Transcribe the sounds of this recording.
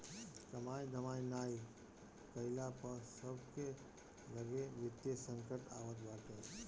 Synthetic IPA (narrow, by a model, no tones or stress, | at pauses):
kɐmaːjd̪ʱəmaːjnaːi | kɐɪlapɐɾsəbʱke | lɐɡeʋɪt̪jesə̃ŋkəʈa̰ːʋət̪baːt̪ẽ